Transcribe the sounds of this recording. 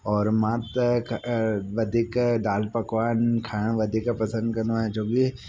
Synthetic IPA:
ɔːɾmaːt̪kʋɐd̪ʱikd̪aːlpɐkʋaːnkʰaːɳ̃ʋɐd̪ʱikapɐsə̃nd̪kɐnaɛd͡ʒoɡi

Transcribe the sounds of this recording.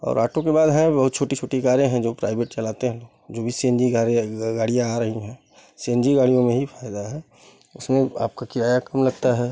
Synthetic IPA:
ɔ̰ːɾaːʈõkebaːd̪ɦɛ̃bɐɦʊt̪̚t͡ʃʰoːʈit͡ʃʰoːʈikaːɾjẽɦɛ̃d͡ʒoːpɾa̰ːɪbeːʈt͡ʃɐlaːt̪eɦɛ̃loːɡd͡ʒoːbʱiseːnd͡ʒiaɡaːɽijãaːɾɐɦiɦɛ̃ː | seːnd͡ʒiɡaːɽijõmẽɦifʰaːɪd̪aɦɛː | ʊsmẽa̰ːp̚kakɪɾaːjakɐmlɐɡt̪aɦɛː

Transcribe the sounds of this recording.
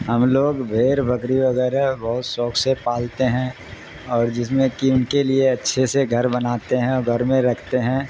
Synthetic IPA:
ɦɐmloːɡbʱeːɾbɐkɾiʋɐɣɛːɾaɦbɐɦʊt̪sɔːksepaːlt̪eɦɛ̃ | ɔːɾd͡ʒɪs̬mẽkiʊnkelieɐtːʃʰeseɡʱɐɾbɐnaːt̪eɦɛ̃ɔɾɡʱɐɾmẽɾɐkʰt̪eɦɛ̃ː

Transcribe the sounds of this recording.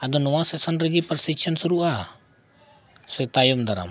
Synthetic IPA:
ad̪ɔnɔwasɛsanɾiɡipəɾsit͡ʃʰənsuɾuʔa | sɛt̪ajɔmd̪aɾa̰m

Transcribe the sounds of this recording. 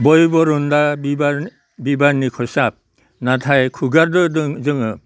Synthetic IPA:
bɔjbɔɾundabiba | bibanikʰɔsap̚ | natʰajkʰuɡaɾdɯdɯŋzɯŋɯ

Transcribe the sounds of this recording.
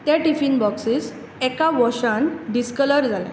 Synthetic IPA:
t̪jaʈifinbɔksiːs | ɛkaʋɔɕãnɖiskələɾd͡zalã̰

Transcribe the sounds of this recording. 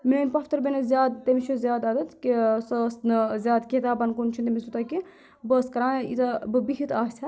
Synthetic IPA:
meːnpɐft̪ɐɾbʲenɐzʲjaːd̪t̪emit͡ʃʰuzʲjaːd̪ɐd̪ɐt̪kisəsnɨzʲjaːd̪kʲit̪aːbɐnkunt͡ʃʰint̪emisut̪ɐki | bəskɐɾaːnḭt̪ɐbɨbiɦit̪aːsʲa

